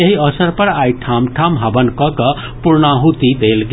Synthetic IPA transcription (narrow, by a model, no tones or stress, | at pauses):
eɦiʌsəɾpəɾaiʈʰamʈʰamɦabənkʌkʌ | puɾnaɦut̪id̪elɡ